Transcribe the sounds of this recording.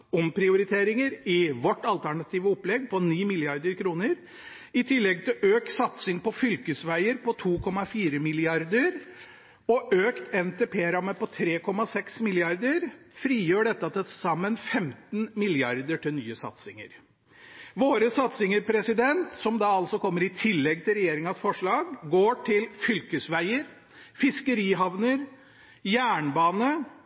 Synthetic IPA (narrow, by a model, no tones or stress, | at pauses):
ɔmpʰɾɪʊɾɪt̪ʰeːɾɪŋəɾɪʋɔʈːɑlt̪ʰæɳɑt̪ʰiːʋəɔpːlɛɡːpʰɔniːmɪlɪɑɾd̪əɾkʰɾuːnəɾ | ɪt̪ʰɪlːɛɡ̚t̪ʰɪlʔøːksɑt̪sɪŋpɔfʏlkəsʋæɪəɾpɔt̪ʰuːkʰɔmɑfiːɾəmɪlɪɑɾd̪əɾ | ɔʔøːkt̪ɛnt̪eːpʰeːɾɑmːəpɔt̪ʰɾeːkʰɔmɑsɛksmɪlɪɑɾd̪əɾ | fɾiːjøːɖɛt̪ːəɑt̪ɛsɑmːənfɛmt̪nmɪlɪɑɾd̪əʈʰɪlnyːəsɑ̰t̪sɪŋə̰ɾ | ʋoːɾəsɑt̪sɪŋəɾpʰɾɛsɪd̪ɛnt̪sɔmd̪ɑɑlsɔkʰɔmːəɾɪt̪ʰɪlːɛɡt̪ʰɪlɾɛjeːɾɪŋɑsfɔʂɭɑːɡɡoːʈʰɪlfʏlkəsʋæɪəɾ | fɪskəɾiːɦɑʋnəɾ | jæːɳbɑːnə